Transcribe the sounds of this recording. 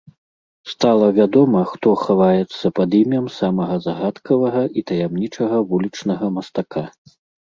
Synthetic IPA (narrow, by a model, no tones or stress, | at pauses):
st̪alˠɐvʲad̪ɔmɐxt̪ɔxavajɛt̪sːɐpɐd̪imʲɐmsamɐɣɐzaɣat̪kʰɐvɐɣɐʔit̪ɐjamnʲit͡ʂɐɣɐvulʲit͡ʂnɐɣɐmɐst̪akʰa